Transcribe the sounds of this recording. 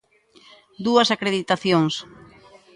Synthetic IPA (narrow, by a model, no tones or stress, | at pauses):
d̪uɐsakɾeðit̪aθjoŋs